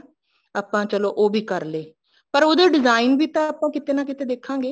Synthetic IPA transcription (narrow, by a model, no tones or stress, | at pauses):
aːpãːt͡ʃəloːʔoːbʱiːkəɾleː | pəɾoːd̪eːɖɪzaːinbiːt̪ãːaːpãːkɪt̪eːnãːkɪt̪eːd̪eːkʰãːŋɡeː